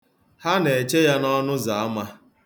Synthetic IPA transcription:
ha˦ne˨t͡ʃe˦ja˦nɔ˦nʊ˦za˨a˦ma˦

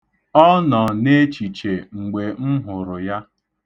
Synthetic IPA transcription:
ɔ˦nɔ˨ne˦t͡ʃi˨t͡ʃe˨ŋ͡m̩˨ɡ͡be˨m̩˦ɦʊ˨ɾʊ˨ja˦

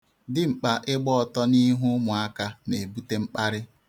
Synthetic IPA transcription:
dɪ˦ŋ͡m̩˨k͡pa˨ʔɪ˦ɡ͡bɔ˦˨tɔ˦ni˦ɦu˦mʊ˨a˦ka˦ne˨bu˦te˦ŋ͡m̩˦k͡pa˦ɾɪ˦

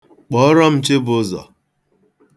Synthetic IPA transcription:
k͡pɔ˨˦ɾɔ˦m̩˨t͡ʃe˦bʊ˦zɔ̰˨

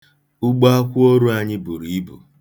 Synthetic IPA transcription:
ʊ˦ɡ͡ba˦kʷu˦o˦ɾu˦a˦ɲɪ˦bu˨ɾi˨i˦bṵ˨

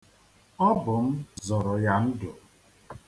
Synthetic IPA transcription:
ɔ˦bʊ˨m̩˦zɔ˨ɾɔ˨ja˦n̩˦dʊ˨

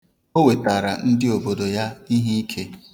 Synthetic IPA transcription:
o˦we˨ta˨ɾa˨n̩˦dɪ˦o˨bo˨do˨ja˦i˦ɦi˦i˦kʰe˦

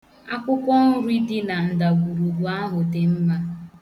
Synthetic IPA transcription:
a˦kʷʊ˦kʷɔ˦n̩˦ɾi˦dɪ˦na˨n̩˨da˨ɡʷu˨ɾu˨ɡʷu˨a˦ɦʊ˨te˨m̩˦ma˦

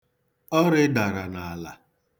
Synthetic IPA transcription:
ɔ˦ɾɪ˦da˨ɾa˨na˨a˨la̰˨

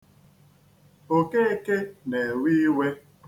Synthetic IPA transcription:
o˨ke˦e˦ke˦ne˨wi˦we˦

